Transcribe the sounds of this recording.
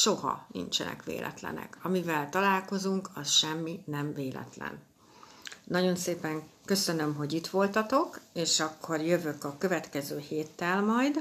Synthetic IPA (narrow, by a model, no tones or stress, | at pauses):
ʃo̞hɒ̰nḭnt͡ʃɛ̰nɛ̰kʋḛːlʔɛ̰t̪lɛ̰nɛ̰kʰɒmivɛlt̪ɒlaːlko̞zuŋkɒsʃɛmːinɛmveːlɛ̰t̪lɛ̰n | nɒɟo̞nseːpɛŋkø̞sønø̞mɦo̞ɟit̪ʋo̞lt̪ɒt̪o̞keːʃɒkʰːo̞rjøvø̞kɒkø̞vɛt̪kɛzøːheːt̪ːɛlmɒjd̪